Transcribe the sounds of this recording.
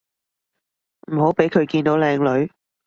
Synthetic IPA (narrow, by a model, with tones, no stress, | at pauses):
m̩˨˩ɦo˨˥wpe˨˥jkʰɵ˨˧ɥkiː˧nt̪o˨˥wlɛː˧ŋlɵ˨˧ɥ